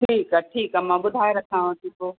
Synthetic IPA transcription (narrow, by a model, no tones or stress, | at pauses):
ʈʰiːkaʈʰiːkamãːɓʊd̪ʱaːeɾɐkʰãːãt̪it̪oː